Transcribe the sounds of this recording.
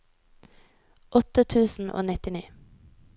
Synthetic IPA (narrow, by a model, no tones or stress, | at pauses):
ʔɔt̪ət̪ʰʉːsn̩ʔo̰ːnɪt̪ɪniː